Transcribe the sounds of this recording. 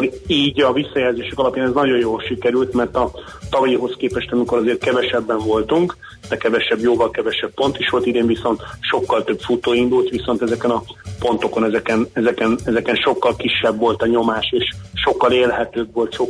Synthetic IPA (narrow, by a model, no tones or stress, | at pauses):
iːɟɒvisːɒjɛlzeːʃɛkɒlɒpjaːnɛznɒɟo̞joːlʃikɛɾylt̪mɛrt̪ɒ | t̪ɒvɒjiɦo̞skeːpɛʃt̪ɒmiko̞ɾɒzeːr̚kɛvɛʃɛbːɛɱvo̞lt̪uŋk | d̪̥ɛkɛvɛʃɛbjoːvɒlkɛvɛʃɛppo̞nt̪iʃʋo̞lt̪id̪eːɱviso̞nt̪ʃo̞kːɒlt̪øpfut̪oːind̪ult̪ʋiso̞nt̪ɛzɛkɛnɒpo̞nt̪o̞ko̞nɛzɛkɛnɛzɛkɛnɛzɛkɛnʃo̞kːɒlkiʃːɛbːo̞lt̪ɒɲo̞maːʃeːʃʃo̞kːɒleːlɦɛt̪øːbʋo̞lt̪ʃo